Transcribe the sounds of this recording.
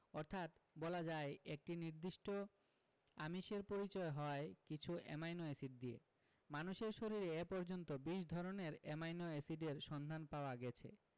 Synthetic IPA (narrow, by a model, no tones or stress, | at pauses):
ɔɾt̪ʰat̪bɔlad͡ʑaeek̚ʈiniɾd̪iʃʈo | amiʃeɾpoɾit͡ɕɔeɦɔekit͡ɕʰuʔɛ̰majnoesiɖ̚d̪iḛ | manuʃeɾʃoɾiɾeepɔɾd͡ʑont̪obiʃd̪ʱɔɾoneɾɛmajnoesiɖeɾʃɔnd̪ʱanpaoaɡɛt͡ɕʰḛ